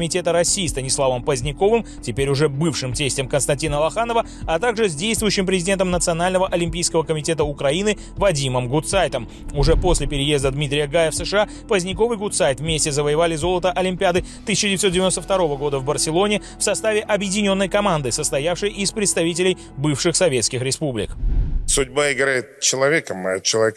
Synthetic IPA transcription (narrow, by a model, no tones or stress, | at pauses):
mʲɪtʲe̞t̪əɾɐsʲiːst̪ənʲɪslˠavəmpəzʲnʲɪko̞vɨm | tʲɪpʲeɾʲʊʐɛbɨfʂɨmtʲesʲtʲɪmkənst̪ɐnʲtʲinəlˠɐxanəvə | ɐt̪aɡʐɨzʲdʲejst̪vʊjʉɕːɪmpɾʲɪzʲɪdʲent̪əmnət̪sɨɐnalʲnəvəʔɐlʲɪmpʲijskəvəkəmʲɪtʲe̞t̪əʊkɾɐinɨ | vɐdʲiməmɡʊt̪sajt̪əm | ʊʐɛpo̞sʲlʲɪpʲɪɾʲɪje̞zd̪əd̪mʲit̪ɾʲɪjəɡajɪfsəʂɨa | pəzʲnʲɪko̞vɨjɡʊt̪sajt̪vmʲesʲtʲɪzəvəjɪvalʲɪzo̞lˠət̪əʔɐlʲɪmʲpʲɪad̪ɨt̪ɨsʲɪt͡ɕɪdʲɪvʲɪt̪sodʲɪvʲɪnost̪əft̪ɐɾo̞vəɡo̞d̪əvbərsʲɪlˠo̞nʲɪ | fsɐst̪avʲɪʔɐbjɪdʲɪnʲo̞nːəjkɐmand̪ɨsəst̪ɐjafʂɨjʔɪspɾʲɪt̪st̪ɐvʲitʲɪlʲɪj | bɨfʂɨxsɐvʲe̞t̪skʲɪxɾʲɪspublʲɪ̰ksʊdʲbaɪɡɾajɪt̪̚t͡ɕɪlˠɐvʲekəmt͡ɕɪlˠɐvʲek